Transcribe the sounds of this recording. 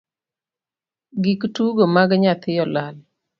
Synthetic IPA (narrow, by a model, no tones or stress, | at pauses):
ɡiktuɡomaɡɲat̪ɪjɔlal